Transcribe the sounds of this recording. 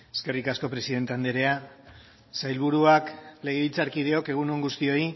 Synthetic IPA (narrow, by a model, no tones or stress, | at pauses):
e̞̥ske̞rikasko̞pɾe̞siðe̞nt̪e̞and̪eɾe̞a | sajlβ̞uɾuakle̞ɣ̞eβilt͡saɾkiðe̞o̞ke̞ɣ̞unoŋɡust̪io̞i